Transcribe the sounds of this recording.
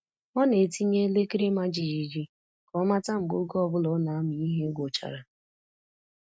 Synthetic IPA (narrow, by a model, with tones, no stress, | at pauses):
ɔ˦ne˨ti˦ɲe˦le˦ki˦ɾi˦ma˦d͡ʒi˨ji˨d͡ʒi˦ | kɔ˨˦ma˦ta˦m̩˨ɡo˦ɡɔ˦˨bʊ˦lɔ˨˦na˨a˦mʊ˨i˦ɦe˦ɡʷo˨t͡ʃa̰˨ɾa˨